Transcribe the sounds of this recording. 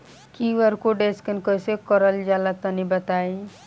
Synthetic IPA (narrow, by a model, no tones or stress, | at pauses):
kiʋəɾkoɖeskənkəjsekɔɾəld͡ʒalat̪ənibət̪aj